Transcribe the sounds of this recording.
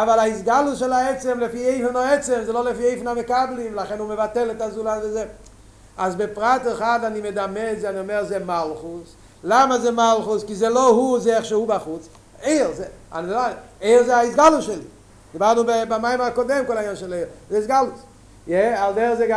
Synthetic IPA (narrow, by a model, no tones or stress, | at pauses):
avalˠaɪsɡalˠʊsʃɛlˠaɛt͡sɛmləfiːeɪfnɔɛt͡sɛmzelˠolɪfiːeɪfnaməkablˠɪmlˠaχɛnuməvatɛlˠətazuːlˠazaze | azbɪpʁatəχadadɪmedamɛzanɪmɛʁzemalˠχʊs | lˠamazeːmalˠχʊskɪzelˠohuzeɛχʃehubaχʊt͡s | eɪʁzea̰nzlaeɪʁzeaɪsɡalˠʊʃɛlˠi | ɡɪbatnubbamaɪməakɔdɛmkɔlajanʃɛlˠezeɪsɡalˠʊs | jɛalˠdɛʁzeɡa